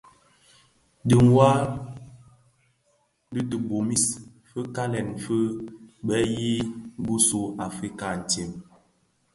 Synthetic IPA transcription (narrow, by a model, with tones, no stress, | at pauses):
di˨ŋ˨wa˦ | di˦tə˨bo˨mi˦s | fə˦ka˦lɛ˨n˨fə˦ɓɛ˦ji˦bu˦su˨a˨fɾi˦ka˨n̩˨ti˨m